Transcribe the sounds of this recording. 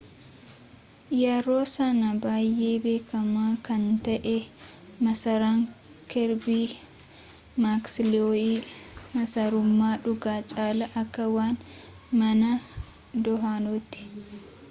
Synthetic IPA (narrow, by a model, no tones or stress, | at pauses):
jaːɾo̞ːsɐnɐbaːjʔːe̞ːbe̞ːkɐmaːkɐnt̪ɐʔɛ | mɐsɐɾaːŋ | kɛɾbiː | maːksɪlɪoːiːmɐsɐɾʊmːaːᶑʊɡaːt͡ʃʼaːlɐʔɐkːɐwaːn | mɐnɐ | d̪ɔɦaːnoːt̪ːɪ̥